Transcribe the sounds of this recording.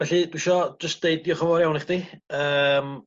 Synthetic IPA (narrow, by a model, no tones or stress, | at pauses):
vɛɬid̥wɪʃɔd͡ʒəst̚d̥eɨd̚jɔχɔvɔɾjawniχd̥iəːm